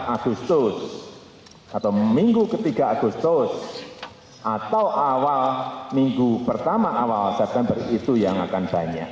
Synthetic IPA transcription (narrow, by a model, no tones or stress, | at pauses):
ʔaɡ̥ust̪ʊs | at̪amiŋɡukət̪iɡ̥aaɡ̥ust̪ʊs | ʔat̪awʔawalmiŋɡupərt̪amaʔawalsɛp̚t̪ɛmbərit̪ujaŋa̰kanb̥a̤ɲa̰ʔ